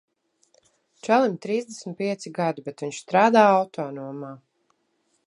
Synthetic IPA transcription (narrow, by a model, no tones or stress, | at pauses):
t͡ʃælˠimt̪ɾiːzd̪esmt̪̚piɛt̪siɡad̪ubɛt̪viɲʃst̪ɾaːd̪aːawt̪ʰɔːnuɔmaː